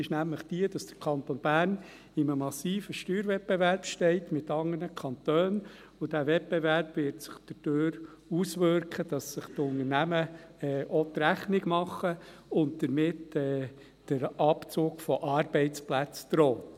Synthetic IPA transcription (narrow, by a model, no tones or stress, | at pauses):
ɪʃnæmləχd̥iəd̥ɑsd̥ə̥ɾkʰɑnt̪ɔnb̥æːn | ɪməmɑsiːfəʃtyːɾʋɛt̚beværpʃtɛɪtmɪt̪ɑŋənəkʰɑnt̪øːn | ʊd̥æʋɛt̚b̥evæɾpvɪɾtsɪ̥χd̥əd̥øːɾ | usʋøɾkχəd̥ɑsːəχtʊnəɾnæməɛːʔɔt̪ɾæχnɪɡmɑχːəʊnt̚d̥̪əɾmɪtɛː | d̥əɾɑpt͡soːɡfɔʔɑːrbɛɪtt͡splæt͡sd̥̪ɾɔːt